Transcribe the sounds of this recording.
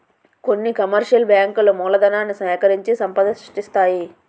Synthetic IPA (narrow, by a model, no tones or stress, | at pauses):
ko̞nːikɐmɐɾʃɐlbjaːŋkulumuːlɐd̪ɐnaːnːisɐɛːkɐɾiɲt͡ʃisɐmpɐd̪ɐsʈist̪aːji